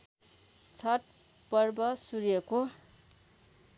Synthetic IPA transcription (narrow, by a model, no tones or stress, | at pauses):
t͡sʰʌʈ̚pʌrbʌsurjʌko